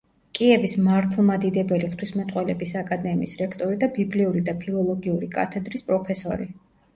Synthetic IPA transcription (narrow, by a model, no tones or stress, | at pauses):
kʼiɛbismaɾt̪ʰlˠmad̪id̪ɛbɛliχt̪ʰwismɛt̪ʼqʼwɛlɛbisakʼad̪ɛmḭisɾɛkʰt̪ʼɔɾid̪abibliuɾid̪apʰilˠɔlˠɔɡiuɾikʼa̰t̪ʰɛd̪ɾispʼɾɔpʰɛsɔɾi